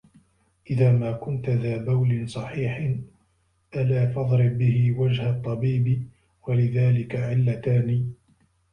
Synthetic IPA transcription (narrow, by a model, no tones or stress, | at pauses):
ʔɪðaːmaːkʊnt̪aðaːbawlɪnsˤɑħiːħ | ʔalaːfɑðˤɾɪbːɪɦɪwad͡ʒhat̪ˤːɑbiːbɪ | walɪðaːlɪkaʕɪlːat̪aːniː